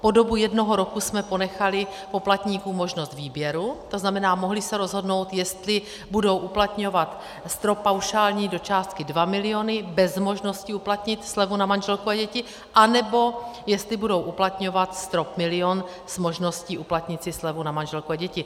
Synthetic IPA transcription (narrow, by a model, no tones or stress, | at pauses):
po̞do̞bujɛdno̞ɦo̞ɾokusmɛpo̞nɛxalɪpo̞plat̪ɲiːkuːmo̞ʒnost̪viːbjɛɾut̪o̞znamɛnaːmoɦlɪsɛɾo̞zɦo̞dno̞wt̪jɛst̪lɪ | budo̞wʔuplat̪ɲo̞vat̪ | st̪ɾo̞pːawʃaːlɲiːdo̞t͡ʃaːst̪̚kɪdvamɪlɪo̞nɪbɛzmo̞ʒno̞scɪuplat̪ɲɪt̪slɛvunamanʒɛlkuaɟɛcɪ | ʔanɛbo̞jɛst̪lɪbudo̞wʔuplat̪ɲo̞vat̪st̪ɾopmɪlɪon | z̥mo̞ʒno̞sciːʔuplat̪ɲɪt͡sɪslɛvunamanʒɛlkuaɟɛcɪ